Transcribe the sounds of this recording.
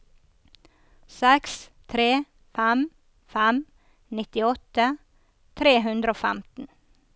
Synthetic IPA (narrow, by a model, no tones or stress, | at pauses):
sɛkst̪ʰɾeː | fæm | fæm | nɪt̪ɪɔt̪ə | t̪ʰɾeːɦʉnd̪ɾoːfæ̰mt̪n̩